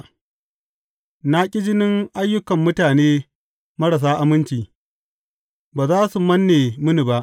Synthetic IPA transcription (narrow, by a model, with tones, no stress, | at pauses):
na˦kʲʼɪ˦d͡ʒɪ˦nɪ˦ŋʔa˦jːʊ˦kɐ˨mːʊ˦taː˨neː˦ | mɐ˦ɽɐ˨s̬aː˦ʔa˨mɪ˦nt͡ʃiː˨ | baː˨zaː˦su˨mɐ˦nːeː˨mʊ˦ni˨ba˦ʔ